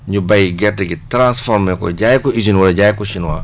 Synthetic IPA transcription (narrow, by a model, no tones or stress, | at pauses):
ɲubajiɡɛtːiɡitɾãnsfɔɾmɛkɔ̰ɟajkɔid͡ʒinwulɐɟaːjkɔsinwa